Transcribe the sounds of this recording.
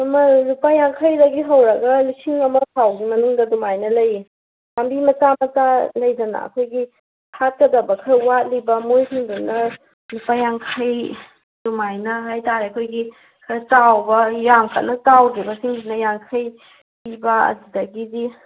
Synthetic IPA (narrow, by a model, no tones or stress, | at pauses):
ɐmɐlupajaŋkʰɐjdɐɡiɦɐwɾɐɡɐlisiŋɐmɐpʰawɡimɐnuŋdɐdumajnɐlɐji | jambimɐtamɐtalɐjd͡ʒɐnɐ̰ɐ̰kʰojɡi | tʰat̚kɐdɐbɐkʰɐwat̚libɐmojsuŋdunɐ | lupajaŋkʰɐj | dumajnɐɦajtaɾiɐkʰojɡi | kʰɐt͡ʃawbɐjaŋkʰa̰tnɐt͡ʃawdɾibɐsiŋsinɐjaŋkʰɐj | pibɐɐ̰d͡ʒidɐɡidi